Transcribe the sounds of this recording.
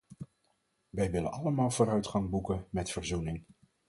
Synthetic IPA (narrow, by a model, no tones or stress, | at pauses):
ʋɛjʋɪlə̰nɑləmaːlˠvoːɾœɥtχɑŋbukənmɛtfəɹzunɪŋ